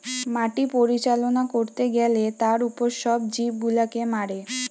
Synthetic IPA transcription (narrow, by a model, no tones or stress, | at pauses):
maʈipoɾit͡ɕalonakoɾt̪eɡɛlet̪aɾupoɾʃɔbd͡ʑib̚ɡulakemaɽe